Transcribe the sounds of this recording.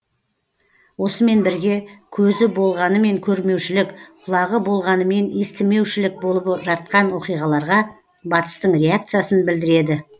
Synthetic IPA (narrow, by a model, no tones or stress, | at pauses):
wo̞səme̞nbɪɾɡʲe̞kʲʰɵzɪbo̞lˠʁɑnəme̞ŋkʲʰɵɾme̞wʃɪlɪkqʰʊlˠɑʁəbo̞lˠʁɑnəme̞nest̪ɪme̞wʃɪlɪk̚bo̞lˠəpʒɑt̪̚qɑnwo̞qijʁɑlˠɑɾʁɑ | bɑt̪ə̥st̪əɴɾʲe̞ak̚t̪sɨijasənbɪld̪ɪɾe̞d̪ɪ